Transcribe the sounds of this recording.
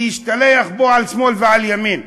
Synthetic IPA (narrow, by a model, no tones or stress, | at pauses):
hiʃt̪alejaχboʕalsmo̞lveʕaljamin